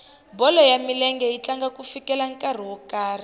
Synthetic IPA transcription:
bɔlɔjamilɛŋɡɛjit͡ɬaŋɡakufikɛlaŋkʼar̤iwɔkaːri

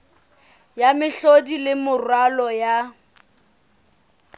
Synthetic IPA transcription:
jamɪɬodilɪmʊrwalɔja

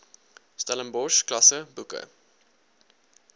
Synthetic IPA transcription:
stɐlənbɔʃklɐsəbukə̰

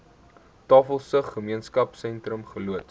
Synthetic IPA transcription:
tɑːfəlˠsəχːəmiənskɐpsɛntrəmχəluət

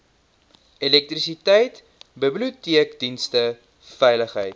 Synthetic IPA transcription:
elɛk̚trisitɛjt | bəblutiəkdinstə | fɛjləχɦəjt

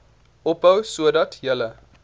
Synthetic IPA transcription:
ʔɔp̚bəwsuədɐtjələ

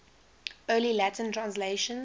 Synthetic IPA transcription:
ɜːlilatə̃ntʰɹãnsleɪʃə̃n

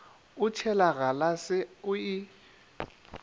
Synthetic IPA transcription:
ʊt͡ʃʰɛlaɣalasɪʊɪ

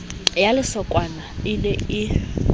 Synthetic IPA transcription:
jalɪsɔkʼwanaɪnɛɪ

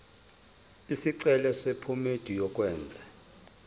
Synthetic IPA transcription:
isiǀɛlɛsepʰumed̥ʱijɔkʼwɛːnd͡zʱɛ

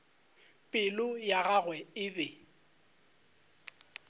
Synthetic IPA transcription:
pʼɪlʊjaɣaɣwɛɪbɛ

